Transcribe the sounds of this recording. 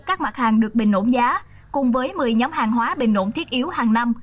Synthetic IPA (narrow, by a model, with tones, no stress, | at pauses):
kaː˦˥k̚ma˨˩t̚haː˨˩ŋɗɨ˨˩ək̚ɓï˨˩ŋ̟lo̰˧˥nzaː˨˦ | kʊ˨˩ŋ͡mvəː˨˦jmɨ˨˩əjɲɔ˨˦mhaː˨˩ŋɦwaː˨˦ɓï˨˩ŋ̟lo̰˧˥˨nt̪ʰi˦˥ət̚ʔi˨˦əwhaː˨˩ŋna˧m